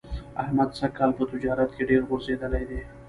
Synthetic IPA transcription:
ɐhmɐd̪sɐkːalpət̪ʊd͡ʒaːɾət̪keɖeːɾɣʊɾzed̪ɐlajd̪eː

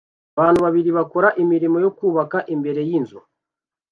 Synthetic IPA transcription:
βaːn̤̥uβaβiɾiβako̞ɾaʔimiɾimo̞jo̞kuːβakaʔimbe̞ɾe̞jinzo̰

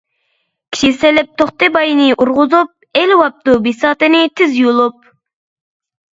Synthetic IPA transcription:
kʲʰi̥ʃiselɪp̚t̪ʰoχt̪ɨbɑjnɪʔuɾʁʊzup̚elwɑp̚t̪ubisɑːt̪ɨnɨt̪ʰɪzjolˠup̚

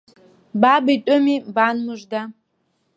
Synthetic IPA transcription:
babitʷʼʊmibanmɨʐʷda

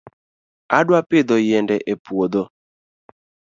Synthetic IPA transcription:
adwaped̪ɔjɛndɛʔepwod̪o

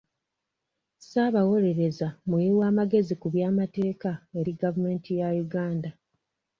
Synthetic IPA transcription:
saβawo̞ɾe̞ɾe̞zamujiwaːmaɡe̞zikuβjaːmate̞ːkae̞ɾiɡavume̞ːntʰijajuɡaːnda

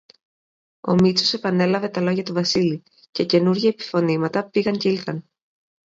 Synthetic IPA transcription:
o̞mit͡so̞se̞pɐne̞lɐve̞t̪ɐlo̞ʝɐt̪uvɐsili | ce̞ce̞nuɾʝɐepi̥fo̞nimɐt̪ɐpiɣɐɲceilθɐn

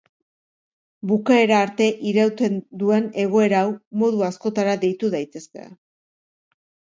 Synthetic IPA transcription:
bukae̞ɾaːɾt̪e̞ʔiɾewt͡s̪e̞nd̪ue̞ne̞ɣ̞o̞e̞ɾawmo̞ðuasko̞t̪aɾaðe̞jt̪uðajt̪e̞skḛa̰

